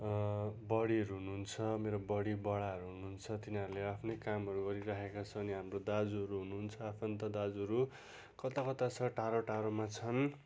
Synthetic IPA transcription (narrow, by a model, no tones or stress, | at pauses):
bʌɽiɦʌɾuɦunuɦunt͡sʰʌmeɾobʌɽibʌɽaɦʌɾuɦunuɦunt͡sʰʌt̪inaɾleapʰnejkamɦʌɾuɡʌɾiɾakʰekat͡sʰʌʌniɦamrod̪ad͡zuɦʌɾuɦunuɦunt͡sʰʌapʰʌnt̪ʌd̪ad͡zuɦʌɾu | kʌt̪akʌt̪at͡sʰʌʈaɾoʈaɾomat͡sʰʌn